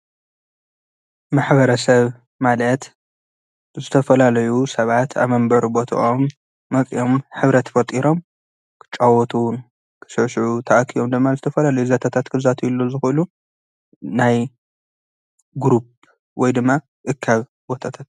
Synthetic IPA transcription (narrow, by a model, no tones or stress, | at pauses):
maħbɐɾɐsɐβ | malɐt̪ | zɨt̪ʰɐfɐlalɐjusɐβat̪ʰa̰βmɐmbɐɾbo̞t̪ʰɐ̰ʔomː | ɐkʼḭjo̞mħɨβɾɐt̪fɐt̪ʼiɾo̞m | kʰɨ̥t͡ʃʼawɔt̪ʰun | kʰɨ̥ʃɨʕʃʕut̪ʰaʔkʰijomd̪ɨmːazɨt̪ʰɐfɐlalɐjuzɐt̪ʰat̪ʰat̪kʰɨzat̪ʰiulːozɨxɨlu | naj | ɡɾup̚ | wɔjd̪ɨmːa | ʔɨkʰːaβ | bo̞t̪ʰat̪ʰat̪̚